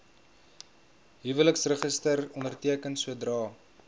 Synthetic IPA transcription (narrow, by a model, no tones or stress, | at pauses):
ɦivələksrəχəstərɔndərtiəkənsuədrɑː